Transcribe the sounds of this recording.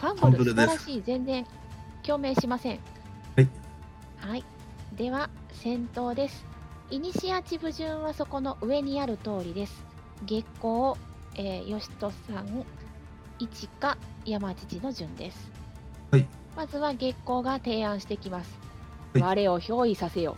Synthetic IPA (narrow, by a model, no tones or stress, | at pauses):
kãmbɾaɕiːzẽ̞nd͡zẽ̞ŋ | kʲo̞ːmẽ̞ɰ̃ɕimasẽ̞ŋ | hai | d̪e̞βa | sẽ̞nt̪o̞ːd̪e̞sɨ̥ | iɲ̟iɕiat͡ɕibɯ̟ʑɨ̃ɰ̃βaso̞ko̞no̞ʔɯ̟e̞ɲ̟iaɾɯ̟t̪o̞ːɾʲid̪e̞sɨ̥ | ɡe̞kːo̞ː | eːjo̞ɕi̥t̪o̞sãŋ | it͡ɕikajamat͡ɕi̥t͡ɕino̞ʑɨ̃nd̪e̞sɨ̥ | mazɨβaɡe̞kːo̞ːɡat̪e̞ːãɰ̃ɕi̥t̪e̞kʲimasɨ̥ | βaɾe̞o̞ço̞ːisase̞jo̞̰ː